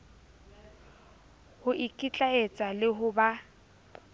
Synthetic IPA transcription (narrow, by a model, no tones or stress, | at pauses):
hʊʔikʼit͡ɬʼaet͡sʼalɪɦʊba